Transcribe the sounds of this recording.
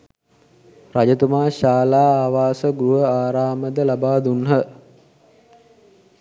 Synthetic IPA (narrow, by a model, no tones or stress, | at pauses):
rad͡ʒət̪umaːɕaːlaːaːʋaːsəɡɾuɦəaːɾaːməd̪əlabaːd̪unɦə